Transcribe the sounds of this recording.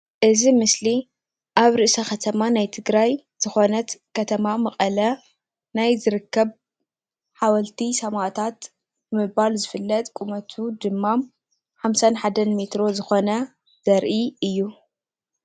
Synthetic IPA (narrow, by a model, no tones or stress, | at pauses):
ʔɨzimɨsli | ʔaβɾɨʔsɐxɐt̪ʰɐmanajt̪ʰɨɡɾaj | z̥ɨxo̞nɐt̪kʰɐt̪ʰɐmamɐχʼɐlɐ | najzɨɾɨkːɐβ | ħawɐlt̪ʰisɐmaʔt̪ʰat̪ | bɨmɨbalzɨfɨlːɐt̪ʼkʼumɐt̪ʰud̪ɨmːam | ħamsanħad̪ɐnmet̪ɾo̞zɨxo̞nɐ | z̥ɐɾʔiɨjːu